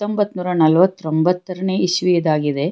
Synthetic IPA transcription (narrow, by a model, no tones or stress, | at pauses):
t̪ːombɐt̪ːnuːɾɐnɐlʋɐt̪ːɾombɐt̪ːɐɾɐneːiʃʋijɐd̪aːɡid̪e̞